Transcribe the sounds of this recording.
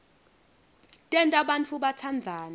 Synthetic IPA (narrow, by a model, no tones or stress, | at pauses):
tʼɛntʼaɓant͡fʰuɓat͡sʰand͡zʱaːna